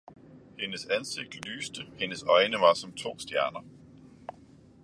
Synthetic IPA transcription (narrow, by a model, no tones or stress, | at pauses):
he̝nəsænse̝ɡ̥̚d̥ly̰ːsd̥əhe̝nəsɒ̽ɪnəʋɑ̈sɒ̽mt͡sʰo̝̰ːsd̥jæɐnɐ